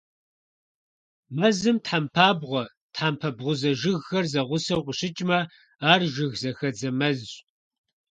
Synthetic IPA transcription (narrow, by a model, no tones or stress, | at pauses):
mɐzɨmtħampʰaːbʁʷɔ | tħaːmpʰɐbʁʷʊzɐʒɪɣxɐrzɐʁʷʊsɐwqʷʼʊɕɪt͡ʃʼmɐ | aːrʒɪɣzɐxɐd͡zɐmɐz